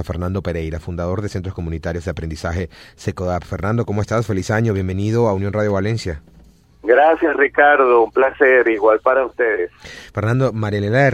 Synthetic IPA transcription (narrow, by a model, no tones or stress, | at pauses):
afeɾnãnd̪o̞pe̞ɾe̞jɾafund̪að̞o̞ɾðe̞sent̪ɾo̞sko̞mũnit̪aɾjo̞zðeapɾend̪isaxe̞sekoðapfeɾnãnd̪oko̞moest̪asfe̞lisaɲoβje̞mbenið̞oaunjo̞nraðjoβalensja | ɡɾasjasrikaɾðoumplaseɾiɣwalpaɾaust̪eðesfeɾnãnd̪omaɾjelela